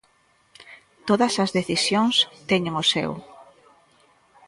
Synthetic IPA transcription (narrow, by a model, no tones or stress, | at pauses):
t̪oðɐsɐzðeθisjoŋst̪ɛɲeŋosḛw